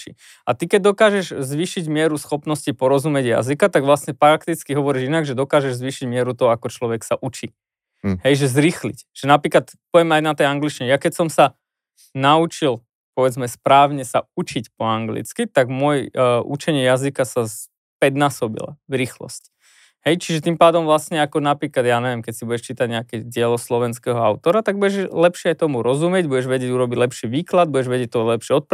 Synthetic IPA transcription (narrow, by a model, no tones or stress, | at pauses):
t͡ʃḭ | at̪ikɛɟ̚d̪ɔkaːʒɛʒzʋiːʃiɟmɪɛɾusxɔpnɔscipɔɾɔzumɪɛɟja̰zikat̪aɡʋlasɲɛpɾakt̪it͡skiɦɔʋɔɾiʒinaɡʒɛd̪ɔkaːʒɛʒzʋiːʃiɟmɪɛɾut̪ɔɦɔakɔt͡ʃlɔʋɛksaʔut͡ʃi | ɦɛjʒɛzɾixlḭcʒ̥ɛnapɾiːklat̪pɔʋjɛmɛajnat̪ɛjaŋɡlit͡ʃɲɛjakɛcsɔmsa | naut͡ʃil | pɔʋɛd͡zmɛspɾaːʊɲɛsaut͡ʃicpɔaŋɡlḭt͡skit̪aɡmʊɔjʔṵt͡ʃɛɲɪɛjazikasas | pɛd̪naːsɔbḭla̰vɾiːxlɔ̰sc | hɛjt͡ʃiʒɛt̪impaːd̪ɔmʋlasɲɛakɔnapɾiːklad̪jaːɲɛʋjɛmkɛcsibuɟɛʃt͡ʃiːt̪aɟɲɛakɛɟɪɛlɔslɔʋɛnskɛːɦɔaʊt̪ɔɾat̪aɡ̚buɟɛʒlɛpʃɪɛajt̪ɔmuɾɔzumɪɛɟbuɟɛʒʋɛɟɪɛɟuɾɔbiɟlɛpʃiʋiːklad̪̚buɟɛʒʋɛɟɛc̚t̪ːɔlɛpʃɪɛɔt̪̚p